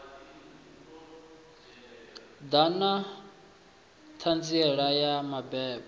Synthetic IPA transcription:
d̪ana | t̪ʰand͡ziɛɺajamabɛːbɔ

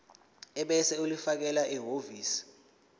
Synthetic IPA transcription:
ɛɓɛsɛulifak̬ɛlaʔiɦoviːsi̥

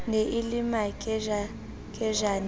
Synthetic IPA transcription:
neʔilimakʼ | kʼɛʒan

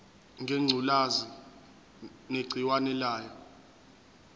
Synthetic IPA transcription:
ŋʱeŋ͡ǀʱulazi | neɡ͡ǀʱiwanɛlaːjɔ

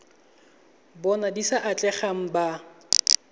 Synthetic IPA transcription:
bɔnadisaʔat͡ɬʼɛχaŋ̩ba

